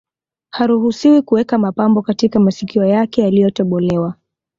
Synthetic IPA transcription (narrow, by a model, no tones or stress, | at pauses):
haɾuɦusiwikuwɛkamapambɔkatikamasikiɔjakɛjalijɔtɔɓɔlɛwa